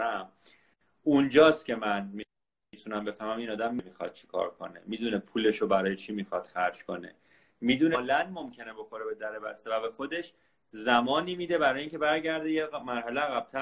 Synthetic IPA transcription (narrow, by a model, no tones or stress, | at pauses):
æm | und͡ʒɒːst̪cʲʰe̞mænmi | it̪ʰunæmbe̞fæɾmæmiːnɒːd̪æmːimixɒ̰d̪̥̚t͡ʃʰi̥kʰɒ̰ːɾkʰo̞̰nḛmid̪unepʰule̞ʃobæɾɒːjet͡ʃʰimixɒd̪̥xæɾd͡ʒkʰo̞ne̞̰ | miːd̪unelænmomcʰe̞nebo̞xo̞ɾebe̞d̪æɾebæst̪evæbe̞xo̞d̪e̞ʃ | zæmɒːniːmiːd̪e̞bæɾɒːjeiːŋcʲʰe̞bæɾɟæɾd̪ejemæɾɦæleæɣæb̥̚t̪ʰæ